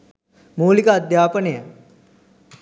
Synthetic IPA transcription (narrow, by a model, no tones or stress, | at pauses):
muːlikəɐd̪ʱjaːpənejə